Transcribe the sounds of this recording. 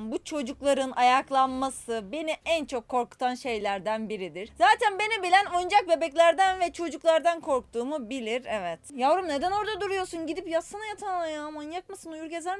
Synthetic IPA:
mbut͡ʃʰo̞d͡ʒuklˠaɾɯnʔajaklˠanmasɯbe̞niænt͡ʃʰo̞kʰːo̞ɾku̥t̪ʰanʃe̞jlʲæɾd̪ænbiɾid̪iɾzaːt̪ʰænbe̞nibilʲænojund͡ʒak̚be̞bɛclʲæɾd̪ænvɛt͡ʃʰo̞d͡ʒuklˠaɾd̪ankʰo̞ɾk̚t̪ʰuːmubilʲiɾɛvɛt̪javɾɯmne̞d̪æno̞ɾd̪ad̪uɾujo̞ɾsunɟid̪ipjasanajat̪ʰanlˠajaamanjakmasɯnujuɾɟe̞zæɾ

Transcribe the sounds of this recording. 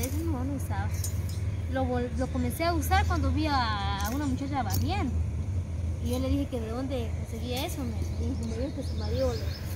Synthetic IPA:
es̬enomonousaβa | loβoloko̞menseausaɾkwand̪oβiaːunamut͡ʃat͡ʃaβaβjend̪o | ie̞lːe̞ðixekeðeðo̞nd̪e̞konse̞ɣiaesonoikomoβiotesumaɾjola

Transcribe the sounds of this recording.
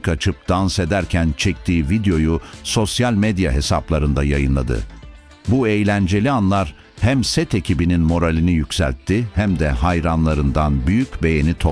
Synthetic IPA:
kat͡ʃʰɯp̚d̪anse̞d̪æɾcʰænt͡ʃʰɛk̚t̪ʰiːvid̪jo̞juso̞sjalʲmed̪ja̰ɦe̞saplˠaɾɯnd̪ajajɯnlˠa̰d̪ɯ̰ | bue̞jlʲænd͡ʒe̞lʲianlˠaɾ̥ | hæmsɛt̪e̞cʰibininmo̞ɾalʲinijycʲsæ̰lʲt̪ʰːihæmd̪ɛɦajɾanlˠaɾɯnd̪anbyjycʲbe̞je̞nit̪ʰo

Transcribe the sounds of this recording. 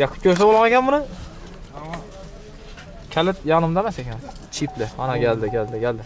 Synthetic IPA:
jɑkʰːʊ̥kʰʲoɾsabolˠʁɑnekʲʰanbʊnɪ | kʲʰalɪt̪jɑʁnɪmd̪amasekʲan | t͡ʃʰit̪lɪɒnaɡʲald̪ɪɡʲald̪ɪɡʲald̪ɪ

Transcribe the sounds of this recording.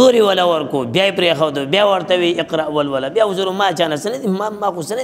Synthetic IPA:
oɾiwɐlawɐɾkoːbjaipɾexɐwd̪obʲjaːwɐɾt̪ɐwiɪqɾaʔwɐlwɐlabjauzuɾomaːt͡ʃaːnasɐnɐd̪imamaːxusɐnɐ

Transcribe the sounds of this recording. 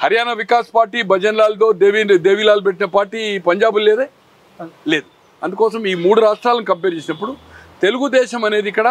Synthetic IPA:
hɐɾjaːnɐʋikaːspaːɾʈiːbʱɐd͡ʒɐnlaːlut̪o̞ːd̪eːʋid̪eːʋiːlaːlupeʈːinɐpaːɾʈiːpɐɲd͡ʒaːbulleːd̪eː | le̞ːd̪u | ɐ̰nd̪ukɔːsɐmiːmuːɽuɾaːʂʈɾaːlɐnikɐpːeːɾt͡ʃeːsinɐpːuɽut̪e̞luɡud̪ɛːʃɐmɐne̞ːd̪iikːɐɽa

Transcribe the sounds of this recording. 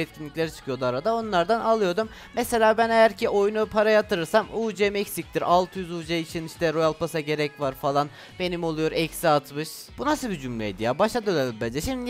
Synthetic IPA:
ɛt̪̚cʰinlʲiclʲeɾit͡ʃʰɯ̥kʰɯjo̞d̪uaɾad̪ao̞nlˠaɾd̪analˠɯjo̞ɾd̪umːese̞lʲaːbænejæɾcʰiʔo̞junupʰaɾajat̪ʰɯɾɯɾsamuːd͡ʒemɛcʲsic̚t̪ʰiɾalˠt̪ʰɯjyzuːd͡ʒeit͡ʃʰiniʃt̪ʰɛɾo̞jalˠpʰasaɟe̞ɾɛcvaɾfalˠan | be̞nimo̞lˠujo̞ɾɛcsiat̪mɯʃ | b̥unasɯbid͡ʒymlʲɛ̰d̪ijaːbaʃad̪ølʲelʲimbɛd͡ʒɛʃimd̪i

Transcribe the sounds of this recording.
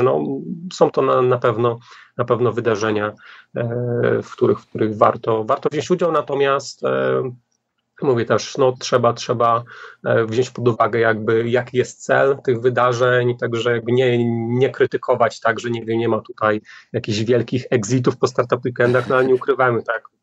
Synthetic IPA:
nɔ̰sɔ̃w̃t̪ɔnanapɛvnɔnapɛvnɔvɘd̪aʐɛɲa | fkt̪uɾɘxfkt̪uɾɘɣva̰ɾt̪ɔvaɾt̪ɔvʑɔ̃ɲt͡ɕud͡ʑawnat̪ɔmʲjast̪ | muvʲjɛt̪ɛʂnɔtʂɛbatʂɛba | vʑɔ̃ɲt͡ɕpɔd̪uvaɡɛjaɡ̚bɘjakʲijɛst̪̚t̪sɛ̰lt̪ɘɣvɘd̪aʐɛɲt̪aɡʐɛjaɡ̚bɘɲɛɲɛkɾɘt̪ɘkʰɔvat͡ɕt̪aɡʐɛɲɛɡvʲjɛɲɛmat̪u̥t̪ajjakʲiʑvʲjɛlkʲixɛɡzʲit̪̬ufpɔst̪aɾt̪apwikɛnd̪axnɔalɲɛukɾɘvamɘt̪ak

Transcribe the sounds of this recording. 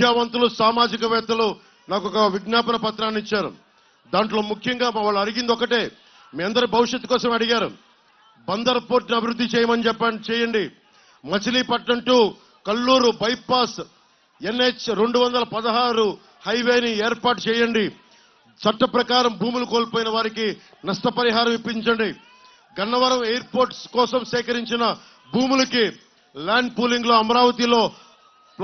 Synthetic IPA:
jaːʋɐnt̪ulusaːmaːd͡ʒikɐʋɛːt̪ɐlu | naːkɔkɐʋiɡnaːpɐnɐpɐt̪ɾaːnit͡ʃːaːɾṵ | d̪aːɳʈlo̞ːmukʰjɐŋɡaːmɐʋaːɭːɐɐɽiɡind̪ɔkɐʈeː | miːɐnd̪ɐɾibʱɐʋiʂjɐt̪ːukɔːsɐmɐɽiɡaːɾṵ | bɐnd̪ɐɾɐpoːɾʈniɐbʱiɾud̪ːit͡ʃɛːjɐmɐnit͡ʃɛpːɐt͡ʃɛːjɐɳɖi | mɐt͡ʃiliːpɐʈːɐɳʈuː | kɐlːuːɾubɐjpaːs | enːet͡ʃɾeɳɖuʋɐnd̪ɐlɐpɐd̪ɐɦaːɾu | hɐjʋeːnieːɾpaːʈt͡ʃɛːjɐɳɖi | t͡ʃɐʈːɐpɾɐkaːɾɐmbuːmulɐko̞ːlpoːjinɐʋaːɾiki | nɐsʈ̪ɐpɐɾiɦaːɾɐmʋipːiɲt͡ʃɐɳɖi | ɡɐnːɐʋɐɾɐmeːjɐɾpoːɾʈskɔːsɐmsɛːkɐɾiɲt͡ʃinɐ | buːmulɐki | laːɳɖ̚puːliŋɡlo̞ːɐmɐɾaːʋɐt̪ilo̞ː | p

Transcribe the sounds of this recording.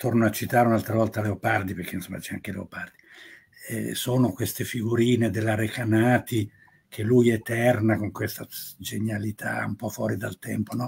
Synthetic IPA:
t̪ornoat͡ʃːit̪aːɾeunalt̪ɾavɔlt̪aleopard̪iperk̟einsomːa̰d̪it͡ʃɛa̰ŋk̟elḛo̰pard̪i | ɛ̰soːnokwest̪efiɡuɾiːned̪elːaɾekanaːt̪i | kʰelːujet̪ɛrnakoŋkwest̪ad͡ʒeɲalit̪ʰa̰ṵmpɔfwɔːɾid̪a̰lt̪ɛ̰mponɔ

